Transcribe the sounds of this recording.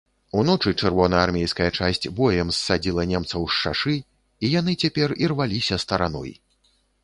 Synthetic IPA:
unɔt͡ʂɨt͡ʂɛrvɔnɐarmʲejskɐjɐt͡ʂasʲt͡sʲbɔjɛmsːad͡zʲilˠɐnʲɛmt̪sɐwʃʂa̰ʂɨ | ijan̪ɨt͡sʲapʲɛrirvalʲisʲɐst̪ɐɾanɔ̰j

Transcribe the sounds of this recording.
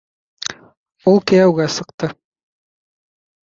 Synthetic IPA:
ulˠkɘ̆jæwɡæsɤ̆qt̪ɤ

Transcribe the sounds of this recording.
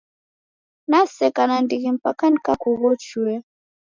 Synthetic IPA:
nasɛkanandiɣim̩pakankakuɣɔt͡ʃuɛ

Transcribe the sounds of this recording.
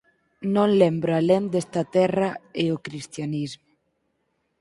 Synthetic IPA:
nõŋlɛmbɾoalend̪est̪ɐt̪ɛrɐeokɾist̪janizmʊ

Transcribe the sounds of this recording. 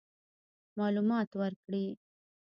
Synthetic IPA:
mɑlumɑt̪wəɾkɽi

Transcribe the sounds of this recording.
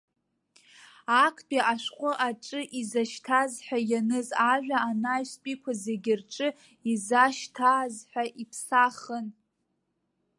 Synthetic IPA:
akʰtʼiʔaʃʷqʷʼʊʔaʈ͡ʂʼɨʔizaʃtʰazħʷᶣajanɨzaʒᶣʷaːnajspʼikʷʰazeɡʲɪrʈ͡ʂʼɨ | izaʃtʰaːzħʷᶣaʔipʰsaχən

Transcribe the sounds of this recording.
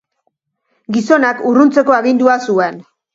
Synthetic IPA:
ɡiso̞nakurunt͡se̞ko̞aɣind̪uasuen

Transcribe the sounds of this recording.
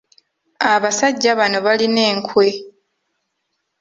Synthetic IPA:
aβasaɟːaβano̞βaline̞ːŋkʰwe̞

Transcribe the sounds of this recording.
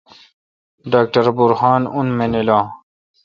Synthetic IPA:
ɖaːk̚ʈɐɾbuɾhaːnunmenilãː

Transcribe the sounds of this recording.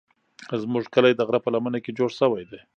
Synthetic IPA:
zmuʐkəlajd̪aɣɾapəlamənaked͡ʒoɽsəwajd̪e

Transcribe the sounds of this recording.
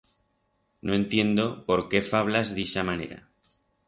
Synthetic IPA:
no̞e̞nt̪je̞nd̪o̞po̞ɾke̞faβ̞lazðisamane̞̰ɾa̰

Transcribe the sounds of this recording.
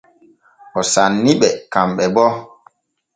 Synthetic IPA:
ʔɔsanːiɓɛkamɓɛbɔ

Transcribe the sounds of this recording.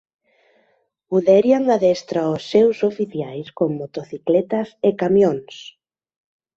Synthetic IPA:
uðɛɾiaŋaðɛst̪ɾaosːewsofiθjajskoŋmot̪oθiklɛt̪ɐsekamjoŋs

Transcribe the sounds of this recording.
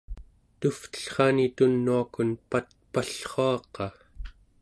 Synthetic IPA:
t̪uft̪ə̥ɬχɑnit̪unːuakunpat̪̚paɬχoɑqɑ

